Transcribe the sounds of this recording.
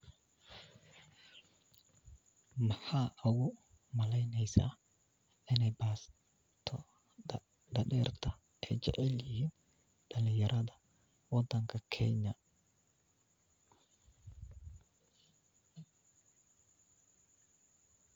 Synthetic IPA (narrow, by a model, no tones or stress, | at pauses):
mɐħaːʔʊɣʊ | mɐlɛjnɛjsa̰ː | ʔɪnɛjbaːs | t̪ʰɔ | d̪ɐɗɛːrt̪ʰɐ | ʔɛːt͡ʃɛ̰ʕɛljɪhiːn | ɗɐlɪjɐɾʔɐðɐ | wɐd̪ːɐŋkʰɐkʰɛ̰ɲɐ